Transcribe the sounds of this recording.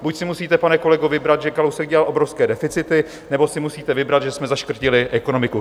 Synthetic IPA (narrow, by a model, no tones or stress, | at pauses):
bucsɪmusiːt̪ɛpanɛko̞lɛɡovɪbɾat̪ʒɛkalowsɛkɡɟɛlalo̞bɾofskɛːdɛfɪt͡sɪt̪ɪ | nɛbo̞sɪmusiːt̪ɛvɪbɾat̪ʒɛsmɛzaʃkr̩cɪlɪʔɛko̞no̞mɪku